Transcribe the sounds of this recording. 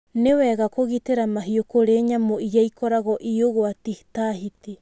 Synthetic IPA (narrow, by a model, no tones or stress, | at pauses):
neweɡakoɣiteɾamaɦiokoɾeɲamoijejkʰoɾaɣoʔioɡoatihi̥taɦiti